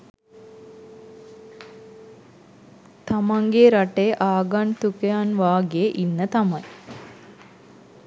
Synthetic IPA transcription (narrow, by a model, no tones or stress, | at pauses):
t̪amaŋɡeɾaʈeʔaːɡaɳt̪ukejanʋaːɡeʔinːət̪amaj